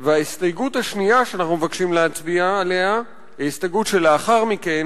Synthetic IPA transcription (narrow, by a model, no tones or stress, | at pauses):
veaist̪ajɡuthaʃnijaʃeanaχnumevakʃimleat͡sviaːle̞ha | aist̪ajɡutʃeleaχaʁmike̞n